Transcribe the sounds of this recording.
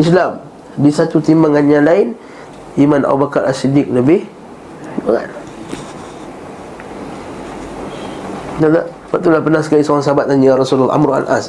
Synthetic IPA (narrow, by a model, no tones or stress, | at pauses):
ʔislam | disat̪ut̪imbaŋanjalaɪn | imana̰bubakaɾʔa̰sidɪk̚ləbɪh | ibaŋa̰n | nala | wat̪ulahpənasə̥kaisoɾaŋsaɦabat̪̚anarasull̰ːʔa̰mɾua̰lʔa̰s